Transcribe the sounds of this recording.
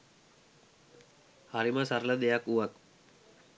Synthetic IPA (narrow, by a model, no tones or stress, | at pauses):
haɾiməsaɾləd̪ejakuʋak